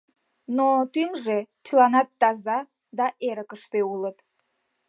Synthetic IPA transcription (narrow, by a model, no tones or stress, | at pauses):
not̪ynʒet̪ylɑnɑt̪ːɑzɑ | d̪ɑʔeɾəkəʃt̪eulət̪